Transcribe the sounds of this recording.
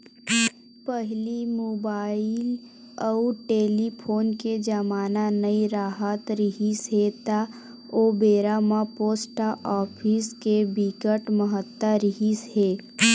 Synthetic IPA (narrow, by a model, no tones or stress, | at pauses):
pəɦlimoːbaːɪl | ɔʊʈeːlipʰoːnked͡ʒəmaːnanəiɾaːɦət̪ɾɪɦisɦet̪a | oːbeːɾaːmãpoːsʈaʔɔːpʰiskebikəʈməɦət̪ːəɾɪɦisɦeː